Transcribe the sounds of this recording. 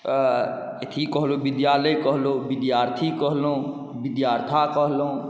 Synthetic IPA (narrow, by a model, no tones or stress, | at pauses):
et̪ʰikːəɦlobɪd̪jaːləjkəɦlobɪd̪jaːɾt̪ʰikəɦlõ | bɪd̪jaːɾt̪ʰakəɦlo